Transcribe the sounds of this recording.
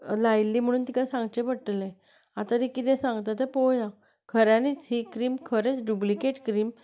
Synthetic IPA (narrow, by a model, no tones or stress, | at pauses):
lajlːiːm̤əɽ̃uːnt̪ikasãŋɡt͡ɕɛ̃pəɽʈlɛ̃ | at̪aɾikit̪ɛ̃sãŋɡt̪at̪̬ɛpojã | kʰəɾãnit͡sɦikɾiːmkʰəɾet͡sɖublikeʈkɾiːm